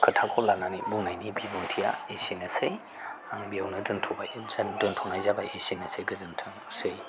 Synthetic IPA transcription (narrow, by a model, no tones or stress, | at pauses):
kʰɯtʰakʰɔlananibunajnibibɔntʰija̰esiŋɐse | aŋbijawnɯdɯntʰɔbajdɯntʰɔnajzabajesinɐseɡɯzɯntʰɯŋ | sej